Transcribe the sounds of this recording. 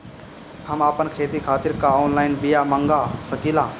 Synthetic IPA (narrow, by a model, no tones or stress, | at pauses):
həmaːpənkʰeːt̪ikʰaːt̪ɪɾkaoːnlaːɪnbɪjaːmə̃ŋɡaːsəkiːlãː